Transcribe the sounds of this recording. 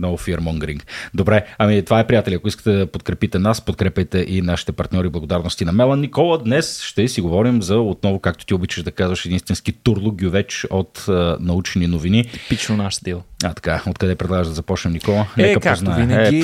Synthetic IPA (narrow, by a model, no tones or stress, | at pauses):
nɔvfiɛɾmɔŋɡɾiŋkd̪obɾɛɐmit̪ovaɛpɾijat̪ɛlʲiɐkoiskə̥t̪ɛd̪ɐpot̪kɾɛpit̪ɛnaspot̪kɾɛpʲɛjt̪ɛʔinaʃi̥t̪ɛpɐɾt̪nʲɔɾiblˠɐɡod̪aɾnost̪inɐmɛlˠənːikɔlˠəd̪nɛsʃt̪ɛsiɡovɔɾimzɐot̪̚nɔvokak̚t̪o̥t̪iobit͡ʃɐʒd̪ɐkazvɐʃɛd̪inst̪vɛnskit̪uɾlˠʊɡjuvɛt͡ʃot̪ənɐut͡ʃɛninovinit̪i̥pit͡ʃnonaʃd̪ilˠat̪ɐ̥kaot̪kɐd̪ɛpɾɛd̪lˠaɡəʒd̪ɐzɐpɔt͡ʃnɛnikɔlˠənɛkəpkaoznaɛinɛi